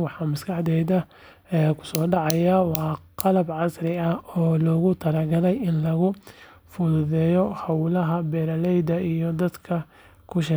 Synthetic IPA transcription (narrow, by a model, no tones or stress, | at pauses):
wɑħɑːmɐskʰɑħd̪ɛjd̪ɐ | ɛkʰʊ̥sɔːɖɑʕɑjawɑːqɑlɐbʕɑsrɪɐhɔːlɔːɣʊt̪ʰɐɾɐɡɐlɛjɪnlɐɣʊ | fʊðʊðɛːjɔhɑwlɐɦɐbɛːɾɐlɛjd̪ɐʔijɔd̪ɐd̪kʰɐ | kʰʊʃɪ